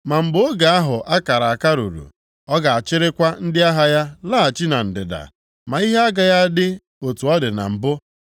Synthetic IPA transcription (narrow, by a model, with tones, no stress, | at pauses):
ma˨m̩˨bʊ˦o˦ɡa˨a˦ɦʊ˨ʔa˦ka˨ɾa˨a˨ka˦ɾṵ˨ɾṵ˨ | ɔ˦ɡa˨a˨t͡ʃɪ˦ɾɪ˦kʷa˦n̩˦dɪ˦a˦ɦa˨ja˦laː˦˨a˨t͡ʃi˦na˨n̩˨dɪ̰˨da̰˨ | ma˨i˦ɦe˦a˦ɡa˨ja˦dɪ˦ | o˨tu˨ɔ˦dɪ˨na̰˨m̩˨bʊ˦